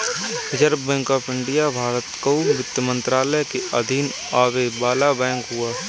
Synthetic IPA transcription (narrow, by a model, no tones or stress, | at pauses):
ɪd͡ʒəɾbbɛ̃ːŋkɔːpʰɪ̃ɳɖijabʱaːɾət̪kouʋɪt̪jəmə̃nt̪ɾaːləjkeɐd̪ʱiːn | aːʋebaːlabɛ̃ːŋkɦʊaː